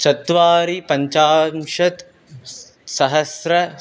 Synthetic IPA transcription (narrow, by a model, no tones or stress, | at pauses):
sɐt̪ʋaːɾipɐɲt͡ʃaːmʂɐt̪ | sɐɦɐsɾɐ